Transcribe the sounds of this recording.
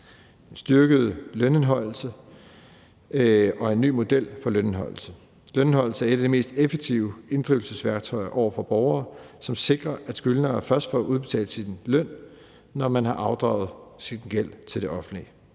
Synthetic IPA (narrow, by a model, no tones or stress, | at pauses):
d̥ensd̥ɶɐɡ̥əð̩ˠløne̝nɦɒ̽l̰l̩sə | ɒ̽e̝nːy̰ːmo̝d̥el̰fɒ̽løne̝nɦɒ̽l̰l̩sə | lønenɦɒ̽l̰̩səæɐe̝ɾ̥ædime̝̰ːsd̥efeɡ̥̚t͡sʰiʊe̝nd̥ʁiʊl̩səsʋæɐɡ̥̚t͡sʰɒ̽ɪɐʔɒʊɐfɒ̽b̥ɒʊɐːsɒ̽mse̝ɡ̥ʁɐʔæd̥sɡ̥ylnɐæɐfɶɐsd̥fɒ̰ʔuðˠb̥e̝t͡sʰɛ̰ːləsinlœn̰ː | ɒmænhɑ̈ʔɑ̈ʊd̥ʁɑ̈ʊð̞̩ˠsiɡ̥el̰t͡sʰe̝ld̥e̝ʔɒ̽fn̩d̥li